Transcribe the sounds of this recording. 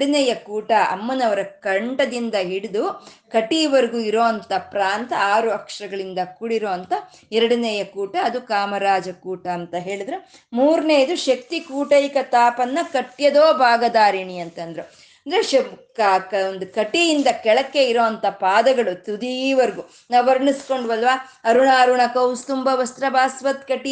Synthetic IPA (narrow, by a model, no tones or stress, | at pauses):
ɽunɛjɐkuːʈɐɐ̰mːɐnɐʋɐɾɐkɐɳʈɐd̪ind̪ɐɦiɽid̪ukɐʈiɐʋɐɾɡuiɾoːɐnt̪ɐpɾaːnt̪ɐaːɾuɐkʂɾɐɡɐɭind̪ɐkuɽiɾoːɐnt̪ɐ | ɛɾɐɽunɛjɐkuːʈɐːd̪ukaːmɐɾaːd͡ʒɐkuːʈɐːnt̪ɐɦe̞ːɭid̪ɾe | muːɾneːd̪uʃɐk̚t̪ikuːʈɐjkɐt̪aːpɐnːɐkɐʈːjɐd̪oːbʱaːɡɐd̪aːɾiɳiɐnt̪ɐnd̪ɾe | ɐɐnd̪ɐɾeʃɐkkond̪ukɐʈijind̪ɐkɛɭɐkːe̞iɾoːɐnt̪ɐpaːd̪ɐɡɐɭut̪ud̪iʋɐɾɡu | nɐʋɐɾɳisko̞ɳɖʋɐlʋaːɐɾuɳaːɐɾuɳɐkɐwst̪umbɐʋɐst̪ɾɐbʱaːsʋɐt̪kɐʈi